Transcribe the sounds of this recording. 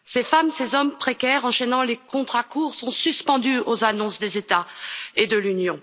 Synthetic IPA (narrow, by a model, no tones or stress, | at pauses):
sefamsezɔmpχekʲɛʁɑ̃ʃɛnɑ̃lekɔ̃t̪χakuʁsɔ̃syspɑ̃d̪yozanɔ̃sd̪ezet̪aed̪əlynjɔ̃